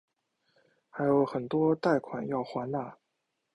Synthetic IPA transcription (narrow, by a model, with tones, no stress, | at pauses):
xa˧˥ɪjo˧˥ʊxə˨˩nt̪wɔ˥t̪a˥˩ɪkʰwa̰˨˩njɑ˥˩ʊxwa˧˥nna˥˩˦